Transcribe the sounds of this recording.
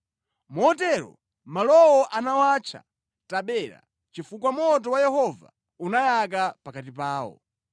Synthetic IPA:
mɔtɛɾɔ̰ | malɔwɔʔanawat͡ʃʰa̰ | taɓɛːɾa̰ | t͡ʃifuk̬wamɔt̬ɔwajɛɦɔva̰ | unajak̬apakatipaːwɔ̰

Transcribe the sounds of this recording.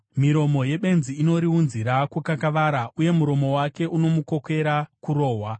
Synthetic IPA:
miɾo̞mo̞je̞ɓe̞nziːno̞ɾiunziɾakukakaʋaɾaʔuje̞muɾo̞mo̞wake̞ʔuno̞muko̞ke̞ɾakuro̞ːɦwa

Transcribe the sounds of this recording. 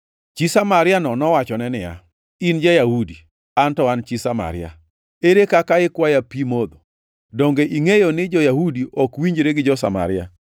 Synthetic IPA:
t͡ʃisamaɾɪanɔnɔwat͡ʃɔnɛnɪja̰ | ind͡ʒajahudi | antɔant͡ʃisama̰ɾɪja̰ | eɾekakaɪkwajapimod̪o | dɔŋɡeʔiŋejonɪd͡ʒɔjahudiʔɔkwiɲd͡ʒɾeɡɪd͡ʒɔsa̰ma̰ɾɪa̰

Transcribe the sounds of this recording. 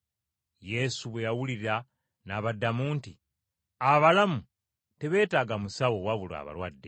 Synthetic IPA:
je̞suβwe̞jawuliɾiɾa | naβadːamuːnti | aβalamu | te̞βe̞ːtaːɡamusawo̞waβulwa̰βa̰lwadːe

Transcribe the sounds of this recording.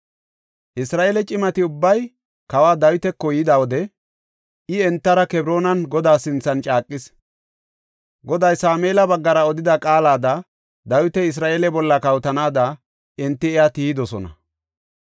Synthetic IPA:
ʔɪsɾaːʔeːlɛt͡ʃʼɪmɐt̪ɪʊbːɐj | kɐwaːd̪ɐjʊt̪ɛkːɔjɪd̪awɔd̪ɛ | ɪɛnt̪ːɐɾɐkɛbɾo̞ːnɐnɡɔd̪aːsɪnt͡sːɐnt͡ʃʼaːkʼːɪs | ɡɔd̪ɐjsaːmeːlɐbɐɡːɐɾɐɔd̪ɪd̪ɐkʼaːlaːd̪ɐ | d̪ɐjʊt̪ɛɪs̬ɾaːʔeːlɛbɔlːɐkɐwt̪ɐnaːd̪ɐ | ɛnt̪ːɪɛjat̪iːɪd̪ɔsɔnɐ̰

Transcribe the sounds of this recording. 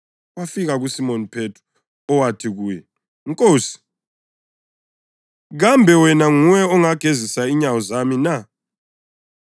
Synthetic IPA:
wafiɣaɣusimonipʰetʰu̥ | ɔwatʰiɣuːjɛ | ŋkʼoːsi̥ | ɣambʱɛwɛnaŋujɛɔŋaɡ̥ʱezisaiɲawɔzamina

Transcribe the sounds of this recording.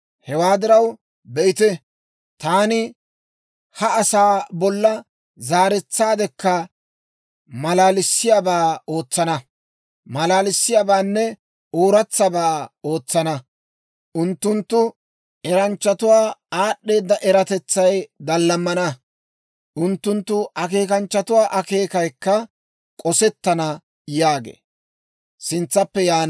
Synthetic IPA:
hɛwaːd̪ɪɾɐw | bɛɪt̪ɛ | t̪aːnɪ | hɐːsaːbɔlːɐ | zaːɾɛt͡sːaːd̪ɛkːɐ | mɐlaːlɪsːɪjaːbaːo̞ːt͡sːɐnɐ | mɐlaːlɪsːɪjaːbaːnːɛ | oːɾɐt͡sːɐbaːo̞ːt͡sːɐnɐ | ʔʊnt̪ːʊnt̪ːʊ | ɛɾɐnt͡ʃːɐt̪ʊwaːaːɗːe̞ːd̪ːɐʔɛɾɐt̪ɛt͡sːɐjd̪ɐlːɐmːɐnɐ | ʔʊnt̪ːʊnt̪ːʊʔɐke̞ːkɐnt͡ʃːɐt̪ʊwaːʔɐke̞ːkɐjkːɐ | kʼɔsɛt̪ːɐnɐ | jaːɡḛː | sɪnt͡sːɐpːɛjaːn

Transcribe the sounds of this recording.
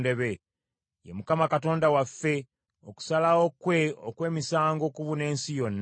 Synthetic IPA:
de̞βe̞ | jḛmukamakato̞ːndawafːe̞ | o̞ku̥salaokweokwe̞ːmisaːŋɡo̞ːkuβune̞ːnsijo̞nː

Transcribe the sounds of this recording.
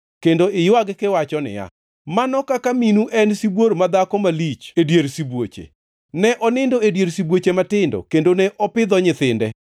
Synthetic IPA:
kendoɪjwaɡkɪwat͡ʃɔnɪ̰ja̰ | manɔkakaminuʔɛnsibwoɾmad̪akɔmalit͡ʃedjeɾsibwot͡ʃḛ | nɛʔɔnɪndoedjeɾsibwot͡ʃematɪndɔ̰kendoneʔɔpɪd̪ɔɲɪt̪ɪndɛ

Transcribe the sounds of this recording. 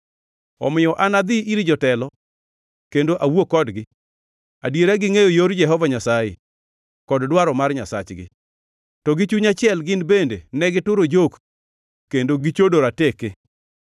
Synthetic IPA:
ɔ̰mɪjɔʔanad̪ɪʔiɾid͡ʒɔtɛlɔ | kendoʔawokːɔdɡɪ | adjeɾaɡɪŋejojoɾd͡ʒɛɦɔvaɲasajḛ | kɔddwaɾɔmarɲasa̰t͡ʃɡɪ̰ | tɔɡɪt͡ʃuɲat͡ʃɪɛlɡɪnbendenɛɡɪtʊɾod͡ʒok | kːendoɡɪt͡ʃodoɾateke

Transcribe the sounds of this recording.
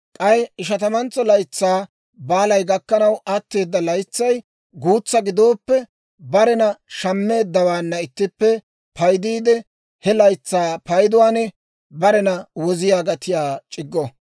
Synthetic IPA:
kʼɐjɪʃ̬ɐt̪ɐmɐnt͡sːɔlɐjt͡sːaː | baːlɐjɡɐkːɐnɐwʔɐt̪ːe̞ːd̪ːɐlɐjt͡sːɐj | ɡuːt͡sːɐɡɪd̪o̞ːpːɛ | bɐɾɛnɐʃɐmːe̞ːd̪ːɐwaːnːɐɪt̪ːɪpːɛ | pɐjd̪iːd̪ɛ | hɛlɐjt͡sːaːpɐjd̪ʊwaːnɛ | bɐɾɛnɐwɔzɪjaːɡɐt̪ɪjaːt͡ʃʼɪɡːɔ

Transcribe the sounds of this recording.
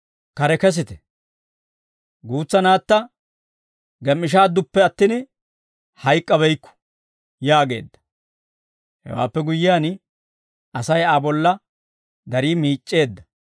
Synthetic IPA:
kɐɾɛkɛs̬ɪt̪ɛ̥ | ɡuːt͡sːɐnaːt̪ːɐ | ɡɛmːɪʃ̬aːd̪ːʊpːɛɐt̪ːin | hɐjkʼːɐβɛjkːʊ̥ | jaːɡe̞̰ːd̪ːɐ̥ | hɛ̰wa̰ːpːɛɡʊjːɪjaːn | ɐsɐjaːbɔlːɐ | d̪ɐɾiːmiːt͡ʃʼːe̞ːd̪ːɐ

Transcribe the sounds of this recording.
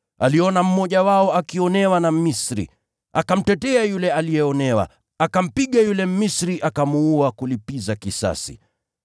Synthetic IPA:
aliɔnam̩mɔʄawaɔakiɔnɛwanamisɾḭ | akam̩tɛtɛajulɛalijɛɔnɛwa̰ | akam̩piɠajulɛm̩misɾiʔakamuuakulipizakisa̰sḭ

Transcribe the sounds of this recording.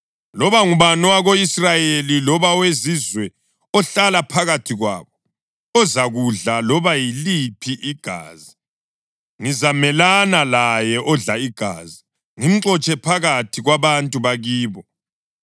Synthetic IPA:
lɔβaŋuβanɔwaɣoisrajelilɔβawezizwɛ | ɔɬalapʰaɣatʰiɣwa̰ːβɔ | ɔzaɣuɮalɔβajilipʰiʔiɡ̥ʱa̰ːzi | ŋizamɛlanalajɛʔɔɮaiɡ̥ʱa̰ːzi | ŋim̩ǀɔt͡ʃʼɛpʰaɣatʰiɣwaβantʼuβaɣiːβɔ

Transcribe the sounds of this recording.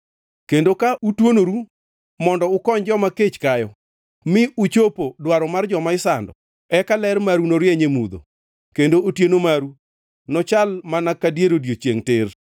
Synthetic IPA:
kendokaʔutwonoɾu | mɔndɔʊkɔɲd͡ʒɔmaket͡ʃkajɔ | mɪut͡ʃopodwaɾɔmard͡ʒɔmaɪsandɔ̰ | ɛkalɛɾmaɾunoɾjɛɲemud̪o̰ | kendootjenomaɾu | nɔt͡ʃalmanakadjeɾodjot͡ʃjeŋtɪr

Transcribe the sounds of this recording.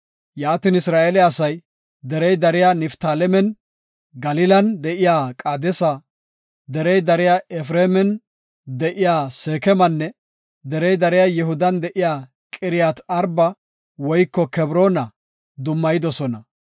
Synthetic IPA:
jaːt̪inɪsɾaːʔelɛɐsɐj | d̪ɛɾɛjd̪ɐɾɪjanɪft̪aːlɛmɛn | ɡɐlɪlɐnd̪ɛʔɪjaːkʼaːd̪ɛsɐ | d̪ɛɾɛjd̪ɐɾɪjaːɛfɾeːmɛn | d̪ɛʔɪjaːseːkɛmɐnːɛ | d̪ɛɾɛjd̪ɐɾɪjaːjɛɦʊd̪ɐnd̪ɛʔɪjaː | kʼɪɾɪjat̪ɐɾbɐ | wɔjkːɔkɛbɾoːnɐ | d̪ʊmːɐjɪd̪ɔsɔnɐ

